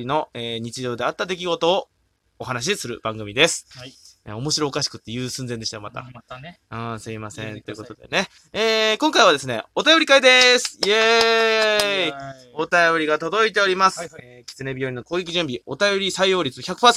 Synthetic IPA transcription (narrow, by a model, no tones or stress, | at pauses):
ino̞eːɲ̟it͡ɕiʑo̞ːd̪e̞at̪ːad̪e̞k̬ʲiɡo̞t̪o̞ː | ɦanaɕ̬isɨɾɯ̟̰b̥ãŋɡɯ̟mʲid̪e̞sɨ̥ḛo̞mo̞ɕiɾo̞ːkaɕi̥kɯ̟̥t̪ːe̞jɯ̟ːsɨ̃nd͡zend̪e̞ɕt̪jo̞mat̪a̰ | ɯ̃semasẽ̞nt̪o̞jɯkot̪o̞d̪e̞̰ne̞ | eːkõ̞ŋkaiβad̪e̞sɨne̞̰o̞t̪ajo̞ɾʲikaid̪e̞sɨ̥je | o̞t̪ajo̞ɾʲiɡat̪o̞d̪o̞it̪e̞o̞ɾʲimasɨ̥ | kʲi̥t͡sɨne̞bʲijo̞ɾino̞ko̞ːɡʲe̞kʲiʑɨ̟̃mbʲio̞t̪ajo̞ɾʲisaijo̞ːɾʲit͡sɨçʲakɯ̥paːsẽ